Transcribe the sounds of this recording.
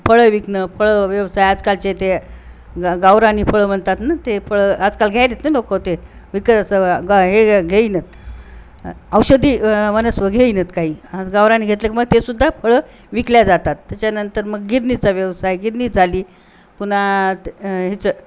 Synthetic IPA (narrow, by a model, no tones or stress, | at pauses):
fəɭəʋiknəfəɭəʋjəʋsajad͡zkalt͡ɕet̪e | ɡawɾaniːfəɭəːm̤əɳt̪at̪nat̪efəɭəːad͡zkalɡʱjajd̪et̪nəlokot̪eʋikət̪əsəɡɦeɡʱeinət̪̚ | əwɕəd̪ʱiːʋənəsʋəɡʱeinət̪kaɦiːad͡zɡawɾaniːɡʱet̪ləːk̬ʲiːməɡ̚t̪esud̪ʱːafəɭə | ʋikljad͡zat̪at̪ːjat͡ɕjanənt̪əɾməɡːiɾnit͡saʋjəʋsajɡiɾniːd͡zʱaliː | pun̤a | ɦit͡sə